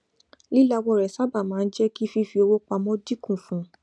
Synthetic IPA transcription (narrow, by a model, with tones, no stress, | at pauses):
li˦la˧wɔ˧˨ɾɛ˨sa˦ba˦˨mãː˨˦˧n̩˦d͡ʒɛ˦ki˦fi˦fi˧o˧wo˦k͡pa˧mɔ̃˦di˦kũ˦˨fũ˨˦